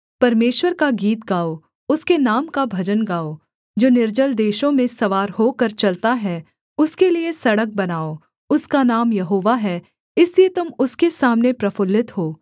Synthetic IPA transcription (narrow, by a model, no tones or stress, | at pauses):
pɐɾmeːʃwəɾkaɡiːt̪̚ɡaːo | ʊskenaːmkabʱɐd͡ʒənɡaːo | d͡ʒoːnɪɾd͡ʒəld̪eːʃõmẽsɐʋaːɾɦoːkɐɾt͡ʃɐlt̪aɦɛ | ʊskeliesɐɽək̚bɐnaːo | ʊskanaːmjɐɦoːʋaɦɛ | ɪsliet̪ʊmʊskesaːmnepɾɐfʊlːɪt̪ɦoː